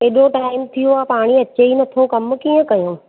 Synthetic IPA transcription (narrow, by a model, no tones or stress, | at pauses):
eːɗõʈaːɪmt̪ʰijoaːpaːɽ̃iɐt͡ɕeinɐt̪ʰokɐm̆kiːə̃kɐjõ